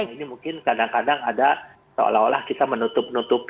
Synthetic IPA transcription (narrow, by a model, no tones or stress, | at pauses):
inimuŋkɪnkadaŋkadaŋada | sə̰laɦo̰la̰hkit̪amənut̪ʊp̚nut̪ʊp